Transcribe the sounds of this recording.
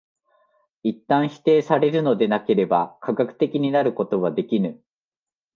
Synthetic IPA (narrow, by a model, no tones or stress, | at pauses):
it̪ːãɰ̃çi̥t̪e̞ːsaɾe̞ɾɯ̟no̞d̪e̞nake̞ɾe̞bakʰaɡakɯ̟̥t̪e̞kʲiɲ̟inaɾɯ̟ko̞t̪o̞βad̪e̞kʲinɯ̟